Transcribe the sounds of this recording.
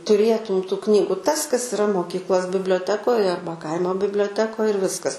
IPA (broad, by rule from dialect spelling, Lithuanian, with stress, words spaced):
tʊˈrʲeːtʊm tʊ ˈknʲiːɡʊ tɐs kɐs ɪˈrɐ moːˈkʲiːklˠoːs bʲɪbʲlʲoːˈtʲæːkoːj ˈɐrbɐ ˈkɐɪmoː bʲɪbʲlʲoːˈtʲæːkoːj ɪr ˈʋʲɪskɐs